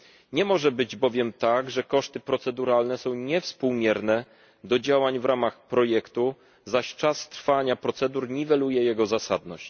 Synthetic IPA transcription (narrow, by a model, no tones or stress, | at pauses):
ɲɛmɔʐɛbɘd͡ʑbɔvʲjɛmt̪aɡʐɛkɔʂt̪ɘpɾɔt̪sɛd̪uɾalnɛsɔ̃w̃ɲɛfspuwmʲjɛɾnɛ | d̪ɔd͡ʑawaɲvɾʔamaxpɾɔjɛkt̪u | zaɕt͡ʂast̪ɾfaɲapɾɔt̪sɛd̪uɾɲivɛlujɛjɛɡɔzasa̰d̪nɔɕt͡ɕ